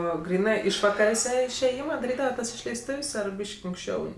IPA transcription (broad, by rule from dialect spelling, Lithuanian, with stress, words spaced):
ˈoː ˈɡrʲiːnɜ ˈɪʃʋɐkɐrʲeːsʲɛ ɪʃʲeːˈjɪmɐ dɐˈrʲiːdɐʋɐ ˈtɐs ɪʃʲlʲɛɪsˈtʊwsʲ ˈɐr ˈbʲiːʃʲkʲɪ ɐŋksʲˈt͡ʃʲɛʊ